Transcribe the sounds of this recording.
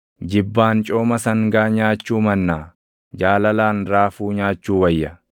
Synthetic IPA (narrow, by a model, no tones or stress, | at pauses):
d͡ʒɪbːaːnt͡ʃʼoːmɐsɐŋɡaːɲaːt͡ʃːuːmɐnːaː | d͡ʒaːlɐlaːnɾaːfuːɲaːt͡ʃːuːwɐjːɐ